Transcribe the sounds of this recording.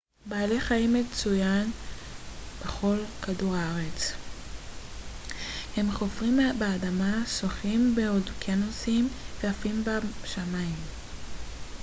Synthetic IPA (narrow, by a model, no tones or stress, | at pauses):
baːleχaimet͡sujan | b̥eχo̞lkaduʁaʁet͡s | he̞mχo̞fʁimbeadamasoχimbeodkʰenosimveafimbaʃamaim